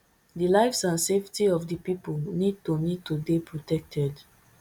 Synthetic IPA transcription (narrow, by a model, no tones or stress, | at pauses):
dilaɪvsãnseftiɔfdipipolnid̚tonid̚tubipʰɹɔtɛk̚tʰɛd